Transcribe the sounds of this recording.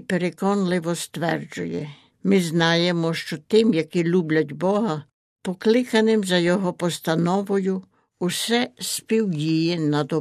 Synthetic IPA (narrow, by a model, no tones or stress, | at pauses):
peɾekɔnlˠɪʋɔst̪ʋɛrd͡ʒʊjɛ | mɪznɑjemɔʃt͡ʃɔt̪ɪmjɐkilʲublʲɐtʲbɔɦɐ | pɔklˠɪkɐnɪmzɐjɔɦɔpɔst̪ɐnɔʋɔjʊ | usɛspʲiwdʲijɛnɐd̪ɔ